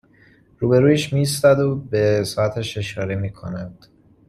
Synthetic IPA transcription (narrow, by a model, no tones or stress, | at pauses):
ɾuːbe̞ɾuːjeʃmist̪æd̪obesɒːæt̪ʰæʃe̞ʃɒːɾemiːkʰonæd̪̥